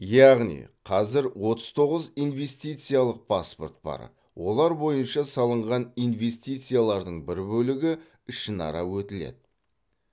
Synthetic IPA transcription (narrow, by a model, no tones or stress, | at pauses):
jɑʁnḭqʰɑzɪɾwo̞t̪əz̥t̪ʰo̞ʁəzijnve̞st̪ijt̪sɨjalˠəq̚pʰaspo̞rt̪̚b̥ɑ̰ɾ | wo̞lˠɑɾbo̞jənʃɑsɑlˠəɴʁɑnijnve̞st̪ijt̪sɨjalˠɑɾd̪əɴbɪɾbɵlɪɡʲɪ | ɪʃənɑ̰ɾɑwɵt̪ɪlḛd̪ɪ